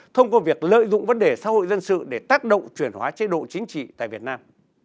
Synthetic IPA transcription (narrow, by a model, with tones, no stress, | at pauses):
t̪ʰə˧wŋ͡mkɔ˧vi˨˩ək̚lə̰ː˧˨jzʊ̰˧˨ŋ͡mvə˨˦nɗe˧˩sa̰ː˨˦˥ho̰˧˨jzə˧nsɨ̰˧˨ɗe˧˩t̪aː˦˥k̚ɗə̰˧˨wŋ͡mt͡ɕwi˧˩ənhwaː˨˦t͡ɕe˨˧˦ɗo̰˧˨t͡ɕï˨˦ŋ̟t͡ɕḭ˧˨t̪a̰ː˧˨jvi˨˩ət̚naː˧m